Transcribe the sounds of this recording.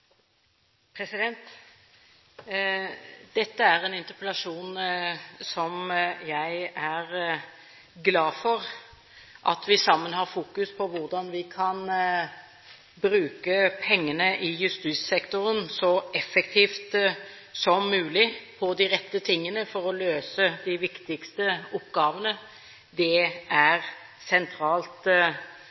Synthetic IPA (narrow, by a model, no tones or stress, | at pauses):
pʰɾɛsɪd̪ɛnt̪ | d̪̥ɛt̪ːəæɾɛnɪnt̪əpəlɑʂuːn | sɔmjæɪæʁ | ɡlɑːfɔʁ | ʔɑ̰t̪ʋɪsɑmːənhɑɾfuːkʉspʰɔʋʊʁd̪ɑnʋɪkʰɑn | bɾʉːkəpʰɛŋːənəʔɪjʉst̪iːssɛkt̪ʊɾənsɔɛfɛkt̪ʰiːft̪ | sɔmːʉːlɪpʰɔd̪ɪʁɛt̪ːət̪ʰɪŋːənəfɔɾɔløːsəd̪ɪʋɪkt̪ɪkst̪əʊpːɡɑːʋənə | d̪ɛʔæʁ | sɛnt̪ʰɾɑːlt̪